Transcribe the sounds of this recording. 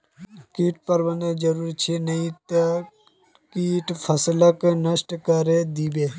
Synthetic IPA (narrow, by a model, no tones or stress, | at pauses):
kiːʈ̚pɐɾbɐned͡ʒɐɾuːɾt͡ʃʰinɐĩt̪ɐ | kiːʈpʰɐsləknɐsʈkəɾed̪iːbeː